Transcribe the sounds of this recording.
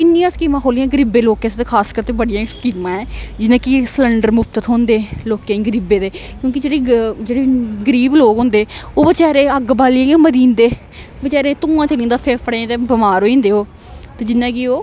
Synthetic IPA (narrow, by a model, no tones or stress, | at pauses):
kɪnːĩjãːskiːmãːɦoːlijãːɡəɾibeːloːkẽːst̪eːkʰaːskəɾt̪eːbəɽɪjãːskiːmãːɛːd͡ʒɪnãːkɪsələɳɖəɾmʊfʰt̪ət̪ɦõːnd̪eːloːkẽːɡəɾiːbeːd̪eːkjõːkɪd͡ʒeːɽeːd͡ʒeːɽeːɡəɾiːbloːkõːnd̪eːoːʋət͡ʃɛːɾẽːəɡbaːliẽːɡeːməd̪iːnd̪eː | bət͡ʃɛːɾẽːt̪ũːãːt͡ʃəlĩːnd̪aːpʰeːpʰɽãt̪eːbəmaːɾoːĩːnd̪eːɦoː | t̪ẽːd͡ʒɪnːãːkɪoː